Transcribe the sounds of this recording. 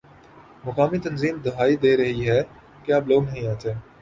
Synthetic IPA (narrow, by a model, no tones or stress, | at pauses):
mʊkaːmit̪ɐnziːmd̪ɐɦaːid̪eːɾɐɦiɦɛ | keaːploːɡnɐɦĩaːt̪eː